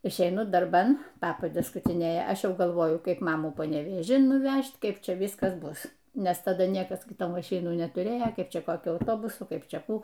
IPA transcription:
ɪʃʲɛɪˈnʊ dɐrˈbɐn ˈpɑːpɐdʲɛs skʊtʲɪˈnʲeːjɛ ˈɐʃ ˈjɛʊ ɡɐlˠˈʋoːjʊ ˈkɐɪp ˈmɑːmuː pɐnʲɛʋʲeːˈʒʲɪn nʊˈʋʲæʃt ˈkɐɪp ˈt͡ʃʲɛ ˈʋʲiːskɐs ˈbʊs nʲɛs tɐˈdɐ ˈnʲiɛkɐs ˈɡʲɪ ˈtoː mɐˈʃʲɪnuː nʲɛtʊˈrʲeːjoː ˈkɐɪp ˈt͡ʃʲɛ koːˈkʲʊ ɐʊˈtoːbʊsʊ ˈkɐɪp ˈt͡ʃʲɛ ˈkuː

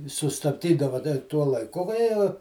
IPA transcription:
ɪ sʊstɐbʲˈdʲiːdɐʋɐ dɐ ɪ ˈtuɔ lˠɐɪˈkʊ ʋɐ ˈjiɛ

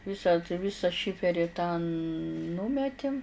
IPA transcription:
ˈʋʲɪsɐ tɐɪ ˈʋʲɪsɐ ˈʃʲɪfʲɛrʲɪ tɑːˈnuːmʲɛtʲɪm

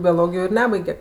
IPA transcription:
bʲoːˈlˠoːɡʲɪjoː ɪr ˈnʲæːbɐɪɡʲɛ

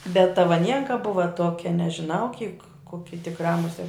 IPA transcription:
bʲɛt tɐ ʋɐˈnʲiɛŋkɐ ˈbʊʋɐ ˈtuɔkʲɛ nʲɛʒʲɪˈnɐʊ kʲiːk ˈkoːkʲɪ tʲɪkˈrɑː mʊˈsʲiɛt

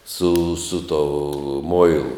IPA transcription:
sʊ sʊ toː ˈmoːɪlˠʊ

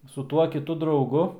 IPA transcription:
sʊ ˈtuɔ kʲɪˈtʊ drɐʊˈɡʊ

